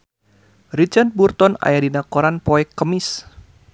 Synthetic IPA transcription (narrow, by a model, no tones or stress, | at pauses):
rit͡ʃart̪̚burt̪ɔna̰jadinakɔɾanpɔɛkːəmis